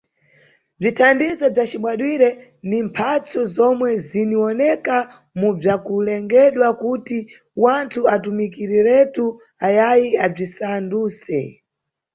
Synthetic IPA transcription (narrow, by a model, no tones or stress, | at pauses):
b͡ʐitʰandizɔb͡ʐat͡ʃimwaɗwiɾɛ | ndimpʰat͡sɔzɔmwɛziniwɔnɛka | mub͡ʐakulɛŋɡɛɗwakuti | wantʰuatumikiɾiɾɛtu | ajajiab͡ʐisanduːsɛ̰